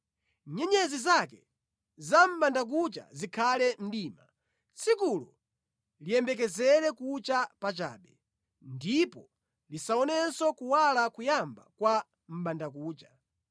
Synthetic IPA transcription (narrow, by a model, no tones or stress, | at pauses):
ɲɛɲɛzizakɛ | zam̩ɓandak̬ut͡ʃa̰zikʰalɛm̩ɗiːma | t͡sʰikulɔ | lijɛmbɛk̬ɛzɛɾɛkut͡ʃapat͡ʃa̰ːɓɛ | ndipɔ | lisaɔnɛsɔkuwalakujamba̰kwa | m̩ɓandak̬uːt͡ʃḁ